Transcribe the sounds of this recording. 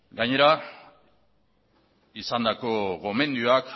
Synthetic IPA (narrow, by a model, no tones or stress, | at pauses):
ɡaɲe̞ɾa | isand̪ako̞ɣo̞me̞nd̪ioak